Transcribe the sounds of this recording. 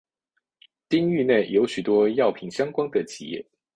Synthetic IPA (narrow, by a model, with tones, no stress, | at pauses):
t̪i˥ŋy˥˧ne˥˩ɪjo˧˥ʊɕy˨˩t̪wɔ˥jɑ˥˨ʊpʰi˧˥ŋɕjɑ˥ŋkwɑ˥ŋd̪ə˨t͡ɕʰḭ˨˩jɛ̰˥˩